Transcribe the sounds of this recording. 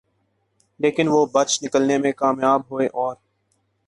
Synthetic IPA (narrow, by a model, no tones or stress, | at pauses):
leːkɪnʋoːbət͡ʃnɪkəlnemẽkaːmjaːbɦoeʔɔːɾ